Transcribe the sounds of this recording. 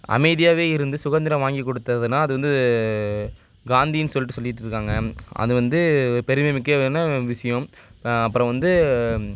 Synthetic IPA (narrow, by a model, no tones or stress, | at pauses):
ɐ̰mɐɪðɪjaːʋeːɪɾɯnd̪ɯsʊɣɐnd̪ɪɾɐ̃ʋaːŋɡikːɔɽɯt̪ːɐðɯnːaːɐðɯʋɐnd̪ɯ | ɡaːnd̪ijnsɔlːɪʈːɯsɔlːɪɪʈːɯɾɯkːaːŋɡɐʔɐ̰ðɯʋɐnd̪ɯɔɾɯpɛɾɯmɐmɪkːɯnɐʋɪʂɐjɐ̃m | ɐpːɯɾɐ̃ʋɐnd̪ɯ